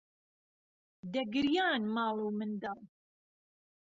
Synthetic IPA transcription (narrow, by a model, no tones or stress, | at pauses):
d̪ɐɡɨɾjɑːnmɑːlˠuːmɨnd̪ɑl